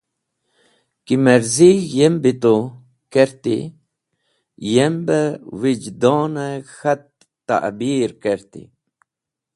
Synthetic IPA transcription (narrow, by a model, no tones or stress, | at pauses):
kiməɾzijembit̪o | keɾt̪ḭ | jembəwid͡ʒd̪ɔːnexat̪̚ː | a̰ʔbiɾkeɾt̪ḭ